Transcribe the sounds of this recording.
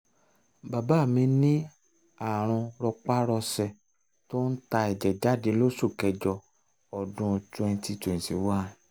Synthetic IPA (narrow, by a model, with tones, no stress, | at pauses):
ba˨ba˦˨mĩ˧nĩ˦ | a˨ɾ̃ɔ̃˧ɾɔ˧k͡pa˦ɾɔ˧sɛ˨ | to˦n̩˦ta˧ɛ˨d͡ʒɛ˨d͡ʒa˨˦˨de˨˧˦lo˦so˦˨kɛ˨d͡ʒɔ˧ | ɔ˨dũ˨˧tũ˧ɛ̃˧ti˧˦to˨ĩ˨sḭ˨˦wa˦˨